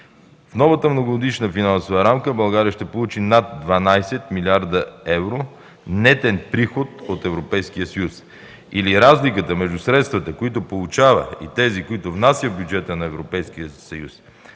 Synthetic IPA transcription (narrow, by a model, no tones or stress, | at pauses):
fnɔvət̪əmnoɡod̪iʃnəfinansovəɾamkəbɐlˠɡaɾijəʃt̪ɛpolˠut͡ʃinat̪̚d̪vɐnajsɛt̪milʲiaɾd̪əɛvɾo | nɛt̪ɛnpɾixot̪ot̪ɛvɾopɛjsk̟ijəsəjus | iliɾazlikət̪əmɛʒd̪usɾɛt̪st̪vət̪əkoit̪ʊpolˠut͡ʃavə̰ḭt̪ɛzikoit̪ʊvnasjəvbʲjud͡ʒɛt̪ənɐɛvɾopɛjskijəsɐjus